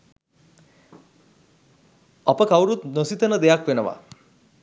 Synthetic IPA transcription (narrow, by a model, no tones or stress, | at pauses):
ɐpəkawɾut̪nosit̪ənəd̪ejakʋenəʋa̰